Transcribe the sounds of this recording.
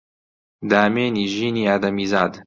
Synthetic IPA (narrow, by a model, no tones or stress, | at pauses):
d̪aːmeːniːʒiːniːaːd̪ɐmiːzaːd̪